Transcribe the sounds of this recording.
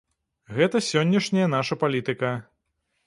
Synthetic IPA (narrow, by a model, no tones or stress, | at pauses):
ɣɛt̪ɐsʲɔnʲːɐʂnʲɐjɐn̪aʂɐpalʲit̪ɨkɐ